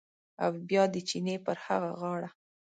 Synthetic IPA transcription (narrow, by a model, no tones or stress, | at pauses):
awbjɑd̪ət͡ʃinepəɾhaɣaɣɑɽa